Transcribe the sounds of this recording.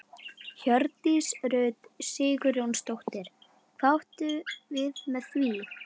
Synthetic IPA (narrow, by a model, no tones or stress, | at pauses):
çœɾt̪isɾœːɥt̪sɪːkʏɾjownst̪owht̪ɪɾ̥ | kʰvawht̪ʏvɪðmɛðθviː